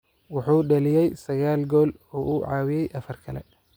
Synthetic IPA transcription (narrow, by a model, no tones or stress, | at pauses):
wɑħuːɖɐlɪjɛjsɐɣaːlɡɔːl | ɔːʔuːʕɑ̰ːwɪjɛjʔɐfɐrkʰɐlɛ̰